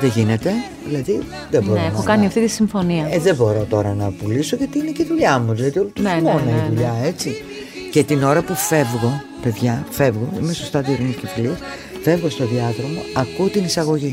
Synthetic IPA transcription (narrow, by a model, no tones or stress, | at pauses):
ðeʝine̞t̪e̞ | ðilɐði | ðebo̞ɾoenɐokɐniɐft̪it̪isiɱfo̞niɐeðebo̞ɾo̞t̪o̞ɾɐnɐpuliso̞ʝɐt̪iineceðuʎɐmuðilɐðio̞lut̪umonɐiðuʎɐe̞t͡si | ce̞t̪ino̞ɾɐpufe̞vɣo̞ | pe̞ðʝɐfe̞vɣo̞ḭme̞sost̪ɐðioɾiniscefiliɐs | fe̞vɣo̞st̪o̞ðiɐðɾo̞mo̞ɐkut̪inisɐɣo̞ʝi